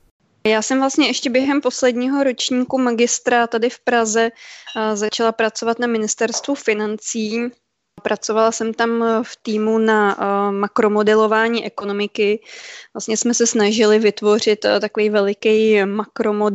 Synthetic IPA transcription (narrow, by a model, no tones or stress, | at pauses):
jaːsɛmvlast̪ɲɛɛʃcɛbjɛɦɛmpo̞slɛdɲiːɦo̞ɾo̞t͡ʃɲiːkumaɡɪst̪ɾat̪adɪfpɾazɛzat͡ʃalapɾat͡so̞vat̪namɪnɪst̪ɛɾst̪vufɪnant͡siː | pɾat͡so̞valasɛmt̪amft̪iːmunamakɾo̞mo̞dɛlo̞vaːɲiːʔɛko̞no̞mɪkɪvla̰st̪ɲɛsmɛsɛsnaʒɪlɪvɪt̪vo̞r̝ɪt̪t̪akovɛjvɛlɪkɛjmakɾo̞mod